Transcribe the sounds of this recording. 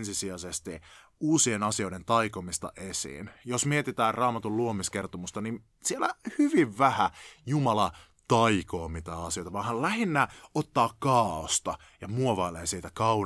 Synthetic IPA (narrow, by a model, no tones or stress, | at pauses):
nsisiɑsest̪i | uːsienɑsio̞ident̪ɑikomist̪ɑ̰ʔesḭːnjosmiet̪it̪æːrrɑːmɑt̪ulluomiskert̪omust̪ɑnin | sielæ̰hyʋiʋʋæhæjumɑlɑ | t̪ɑikoːmit̪æːɑsijo̞it̪ɑʋɑnhɑllæhinːæot̪ːɑːkkɑːost̪ɑ | jɑmuoʋɑilḛːnsiːt̪ækɑu